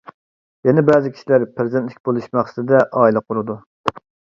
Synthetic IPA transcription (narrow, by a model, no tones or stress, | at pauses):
jɛnɛbæːzɪkʲʰi̥ʃilæɾpʰɾɪzɪnt̪lɪkʲbolˠuʃmɑχsɨ̥t̪ɪd̪ɛʔɑːilˠɨqʰʊɾɨd̪u